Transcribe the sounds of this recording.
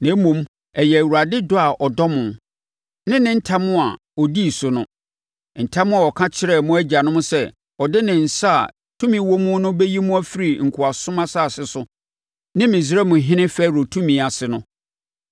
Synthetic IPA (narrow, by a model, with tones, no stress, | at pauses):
nã˨˦mũ˨m | ɛ˨jɛ˨æ˨wu˨ɾa˨dɪ˦dʊ˦a˨ʔɔ˨dɔ˦mʊ̃˨n | nɪ̃˦nɪ̃˦n̩˦tʰa˦mʊ̃˦a˨ | ɔ˨di˦˨sʊ˨nʊ̃˦ | n̩˨tʰa˦mʊ̃˦a˨ɔ˨kʰã˦t͡ɕʰɪ˦ɾɛ˦˨mʊ̃˦æ˦d͡ʑa˨nʊ̃˦m̃˦sɛ˦˨ | ɔ˨dɪ˦nɪ̃˨n̩˨sa̰˦˨ | tʰũ˦mĩ˨˦wo˦mʊ̃˦nʊ̃˦bɛ˦ji˦mũ˦æ˦fi˦ɾi˨ŋ̩˨kʰʊ˨a˨sʊ̃˦mã˦sa˦˨sɪ˨sʊ˦ | nɪ̃˦mɪ̃˨s̬ɾɛ˦mʊ̃˨ɦɪ̃˦nɪ̃˦fæː˦˨ɾo˨tʰũ˦mĩ˨˦a˨sɪ˨nʊ̃˦